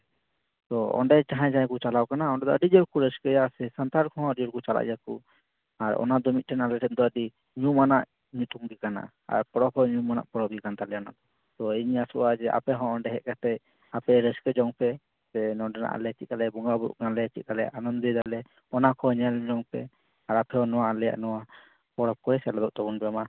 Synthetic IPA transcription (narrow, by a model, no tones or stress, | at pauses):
t̪ɔɔ̰ɳɖɛt͡ʃaɦãjd͡ʒãjkut͡ʃalawkanaɔ̃ɳɖɛd̪ɔəɖid͡ʒɔɾkuɾəskɛjasɛsant̪aɾkʰɔɦɔ̃əid͡ʒɔɾkut͡ʃala̰ʔjakṵ | aɾɔ̰nad̪ɔmit̪̚ʈʰɛnalɛʈʰɛnd̪ɔəɖi | ɲumanaʔ | ɲut̪uŋɡikana̰ʔ | a̰ɾpɔɾɔpʰɔɲumana̰ʔpɔɾɔbikant̪alɛjana̰d̪ɔ | t̪ɔiɲasɔwad͡ʒɛʔa̰pɛɦɔ̃ʔɔɳɖɛɦɛʔ̚kat̪ɛ | apɛɾɛskɛd͡ʒɔŋpɛ | sɛnɔɖɛna̰ʔa̰lɛt͡ʃit̪̚kalɛbɔŋɡabṵʔɡalɛt͡ʃit̪̚kalɛʔanɔnd̪ɔd̪alɛ | ɔnakʰɔɲɛld͡ʒɔŋpɛ | aɾapɛɔnɔwaalɛja̰ʔnɔwa | pɔɾɔp̚kɔɛsɛlɔd̪ɔʔt̪ɔɡunbɛɛma